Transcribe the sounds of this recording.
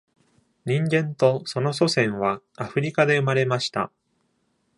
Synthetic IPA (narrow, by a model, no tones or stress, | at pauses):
ɲ̟ĩŋɡẽ̞nt̪o̞so̞no̞so̞sẽ̞ɰ̃βa | aɸɯ̟ɾʲikad̪e̞ɯ̟maɾe̞maɕi̥t̪a̰